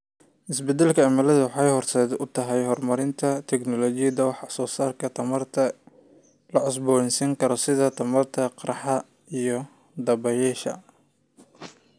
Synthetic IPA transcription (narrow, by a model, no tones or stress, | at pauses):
ʔɪsbɛd̪ɛlkʰɐːmɐlɐðʊwɑħɑjhɔrt̪ʰɛːðɛʔʊt̪ʰɐɦɛjɦɔrmɐɾɪnt̪ʰɐt̪ʰɛknɔlɔːt͡ʃɪjɐd̪ɐwɑħsɔːsaːrkʰɐt̪ʰɐmɐrt̪ʰɐ | lɐʕʊs̬bɔːnsɐŋkʰɐɾɔsɪðɐt̪ʰɐmɐrt̪ʰɐqɑɾʔɑħɑ | ijɞ | d̪ɐbɐjɛːʃɐ̰